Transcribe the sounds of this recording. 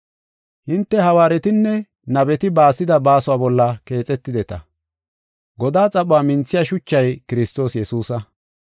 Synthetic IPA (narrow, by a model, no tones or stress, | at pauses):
hɪnt̪ːɛhɐwaːɾɛt̪ɪnːɛ | nɐbɛt̪ɪbaːsɪd̪ɐbaːsʊwaːbɔlːɐke̞ːt͡sʼɛt̪ːɪd̪ɛt̪ɐ̰ | ɡɔd̪aːt͡sʼɐɓʊaːmɪnt͡sːɪjɐʃʊt͡ʃːɐjkɪɾɪst̪o̞ːsjɛsuːsɐ